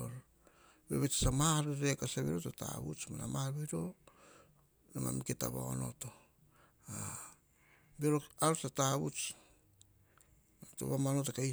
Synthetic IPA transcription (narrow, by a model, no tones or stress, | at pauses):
oɾ | be̞̰βet͡ʃsamaɾeɾekasaβiɾotota̰βṵt͡ʃmanamaɾβiɾo̞ | ema̰miketa̰βa̰ono̞̰to̞ | a | beɾoaɾot͡ʃataβut͡ʃ | ato̰βamanotakai